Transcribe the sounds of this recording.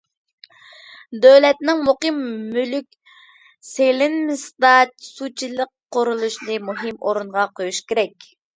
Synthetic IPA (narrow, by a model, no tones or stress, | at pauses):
d̪øwlɛt̪̚nɪŋmuqɨmːylykʲ | selɪnmɪsd̪ɑsut͡ʃʰilˠəqː | oɾulˠuʃnɨmuɦɨmʔoɾuɴʁɑqʰojuʃkʲʰeɾɛkʲ